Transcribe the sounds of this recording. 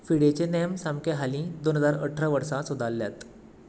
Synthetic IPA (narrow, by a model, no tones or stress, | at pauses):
fiɽet͡ɕenejəmsamkeɦalĩːd̪onɦəd͡zaɾəʈʰːɾaʋəɾsãsud̪ʱaljat̪